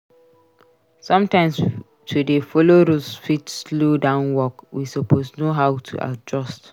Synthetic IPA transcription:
sʌ̃mtãɪ̃ms | tʰudefɔloɾosfitslodãʊ̃nwɔkwisɔpʰosnoɦaʊtʰṵʔa̰d͡ʒɔst

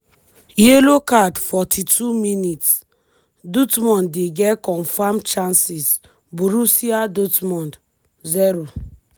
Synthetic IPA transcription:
jelokadfɔtʰitʰuminits | dutmɔ̃ndeɡɛkɔ̃nfamt͡ʃãnsis | buɾusiadutmɔ̃nd | ziɾo

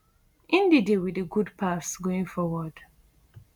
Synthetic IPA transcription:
ʔĩndidiwiðəɡudpʰaθsɡoĩŋfɔwɔd̥

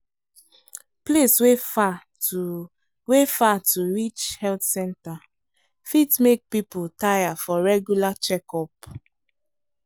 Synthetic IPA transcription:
pleswefa | wefatuɹit͡ʃhɛltsɛ̃nta | fitmek̚piputajafɔɹɛɡjulat͡ʃɛkɔp̚

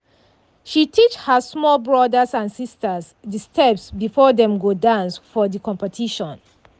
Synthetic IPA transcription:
ʃitʰit͡ʃhəsmɔlbɹɔdəsãnsistəs | distʰɛpsbifɔðɛ̃mɡodãnsfɔðikʰɔ̃mpɛtʰiʃɔ̃n

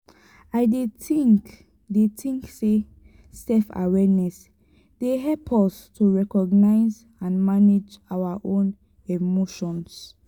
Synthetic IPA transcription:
aɪdeik | detʰĩŋkse | sɛfa̰wɛnɛs | d̥eɦɛlpʰɔstʰuɹɛkɔɡnaɪz | ãnmaned͡ʒawaʔõn | emoʃɔ̃ns

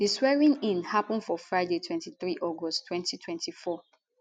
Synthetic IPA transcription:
diswɛɹĩŋĩnhapɔ̃ndfɔfɹaɪdetʰwɛ̃ntiθɹiʔɔɡɔsttːwɛ̃ntitʰwɛ̃ntʰifɔ

